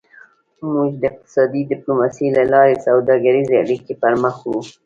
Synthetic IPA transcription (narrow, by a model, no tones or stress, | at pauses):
muʒd̪əɪq̚t̪ɪ̥sɑd̪id̪ɪplomɑsilalɑɾesawd̪ɑɡaɾizeaɽikepəɾməxwu